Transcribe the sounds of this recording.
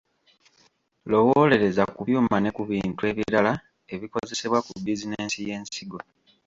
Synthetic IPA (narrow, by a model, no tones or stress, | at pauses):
lo̞wole̞ɾe̞zakuβjuːmane̞kuβiːntue̞βjiɾala | e̞βiko̞ze̞se̞βwakubizineːnsije̞ːnsiɡo̞